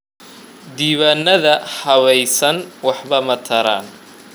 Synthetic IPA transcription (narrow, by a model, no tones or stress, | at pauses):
d̪iːβaːnːɐðɐhɐβɛjsɐnwɑħβɐmɐt̪ʰɐɾa̰ːn